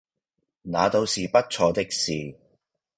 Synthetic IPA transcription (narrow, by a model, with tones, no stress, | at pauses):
naː˨˧t̪o˧wsiː˨pɐ˥t̚t͡ʃʰɔː˧t̪ɪ˥k̚siː˨